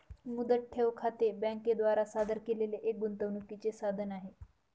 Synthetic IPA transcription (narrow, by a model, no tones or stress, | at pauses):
mud̪əʈ̚ʈʰːeʋkʰat̪ebɛ̃ŋked̪ʋaɾasad̪ʱəɾkeleleʔek̚ɡunt̪əʋnukit͡sesad̪ʱənaɦe